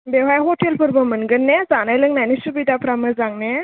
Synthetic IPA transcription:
bewajɦɔtelpʰɯɾbɐmɯnɡɯnːezanajlɯŋnajnisubidapʰɾamɯzaŋne

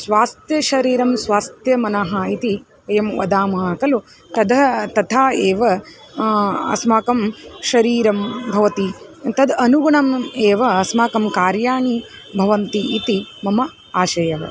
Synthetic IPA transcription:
sʋaːst̪jɐʃɐɾiːɾɐmsʋaːst̪jɐmɐnɐɦɐit̪i | ɐjɐmʋɐ̰d̪aːmɐɦɐkɐlu | t̪ɐd̪ɐt̪ɐt̪ʰaːeːʋɐ | ɐ̰smaːkɐmʃɐɾiːɾɐmbʱɐʋɐt̪it̪ɐd̪ɐnuɡuɳɐmeːʋɐɐsmaːkɐmkaːɾjaːɳi | bʱɐʋɐnt̪iʔːt̪imɐmɐ | aːʃɐjɐɦɐ̰

